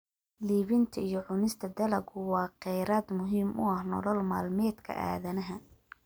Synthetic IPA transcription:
liːβɪnt̪ʰɐijɞʕʊnɪst̪ʰɐd̪ɐlɐɡʊwɑːqɛjɾaːd̪mʊɦiːmʔʊ̰ɐhnɔ̰lɔlma̰ːlmɛːd̪kʰɐ̰ʔa̰ːðɐnɐɦɐ

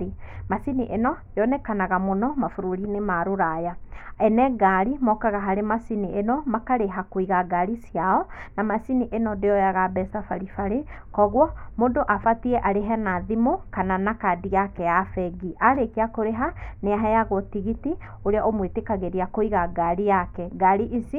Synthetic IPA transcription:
masiniʔenɔjɔnɛkanaɣamonɔmafuɾoɾinemaɾoɾajaɛnɛɡaɾimɔkaɣaɦaɾemasiniʔenɔmakaɾeɦakoiɣaɡaɾisiaɔnamasiniʔenɔndejɔjaɣabɛsafaɾifaɾe | kɔɣwɔmoːndoʔafatiɛʔaɾeɦɛnaðimokananakadiɣakɛjafɛɡiʔaɾekeakoɾeɦaneaɦɛjaɣotiɣiti | oɾeaʔomwetekaɣeɾiakoiɣaɡaɾijakɛɡaɾiʔisi

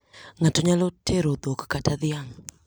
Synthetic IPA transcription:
ŋatoɲalotʰeɾoðokḁkataðiaŋ̩

